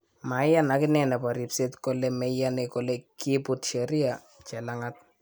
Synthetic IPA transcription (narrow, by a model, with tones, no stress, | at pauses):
ma˨ja˦na˦kɪ˦nɛ˨nɛ˨pa˨ɾi˨pse˦tko˦lemɛ˦ja˦neko˦le˦ki˦pʊ˦tʃe˨ɾi˦a | t͡ʃɛ˨la˦ŋa˦t̚